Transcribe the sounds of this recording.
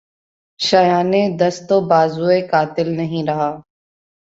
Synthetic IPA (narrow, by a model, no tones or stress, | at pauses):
ʃəjaːneːd̪əst̪oːbaːzuːeːkaːt̪ɪlnəɦĩːɾəɦaː